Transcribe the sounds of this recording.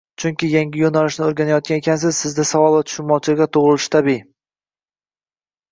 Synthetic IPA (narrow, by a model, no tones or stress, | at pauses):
t͡ʃʰʊŋkʲɪjaŋʲɪjonalɪʃnɪoɾɡʲanajɒt̪̚ɡʲanekʲʰansɪz̥sɪzd̪asavɒlˠvat̪ʰʊ̥ʃɪnmɒt͡ʃʰɪlɡʲat̪ʰʊʁɾɪlɪʃɪ̥t̪ʰabi